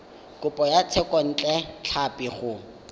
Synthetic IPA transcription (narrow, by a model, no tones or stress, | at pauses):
kʼʊpʼɔjat͡sʰɛkʼɔn̩t͡ɬʼɛt͡ɬʰapɪχʊ